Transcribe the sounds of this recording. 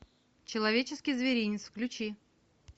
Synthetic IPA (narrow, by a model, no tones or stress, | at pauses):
t͡ɕɪlˠɐvʲet͡ɕɪskʲijzvʲɪɾʲinʲɪt̪sfklʲʉt͡ɕi